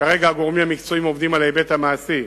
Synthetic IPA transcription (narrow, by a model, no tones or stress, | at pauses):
kaʁe̞ɡaaɡo̞ʁmimhamikt͡so̞imo̞vd̪imalebe̞t̪hamaːsi